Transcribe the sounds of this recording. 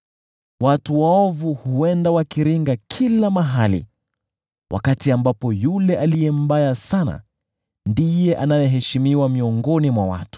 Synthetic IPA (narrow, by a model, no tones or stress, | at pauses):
watuwaɔvuhuɛndawakiɾiŋɡakʰilamaɦalḭ | wʔa̰katiambapɔjulɛʔalijɛm̩bajasana̰ | ndijɛʔanajɛɦɛʃimiwamiɔŋɡɔnimwawa̰tu̥